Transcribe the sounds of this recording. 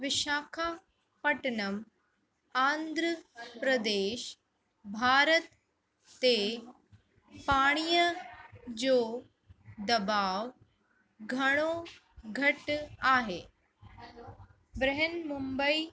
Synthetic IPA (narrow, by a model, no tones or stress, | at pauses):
ʋɪʃaːkʰaː | pɐʈnəm | ãːnd̪ʱɾəpɾəd̪eːʃ | bʱaːɾət̪ː | e | paːɽ̃ijə | d͡ʑoː | d̪ɐbaːʋ | ɡʱɐɽ̃o | ɡʱɐʈaːɦeː | bɾɛɦənmumbəi